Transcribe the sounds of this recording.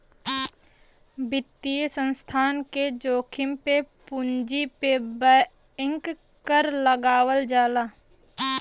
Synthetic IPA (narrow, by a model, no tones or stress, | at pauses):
bɪt̪ːijsə̃nst̪ʰaːnked͡ʒoːkʰɪmpepʊnd͡ʒipebə | ɪ̃ŋk | kəɾləɡaːwəld͡ʒaːlaː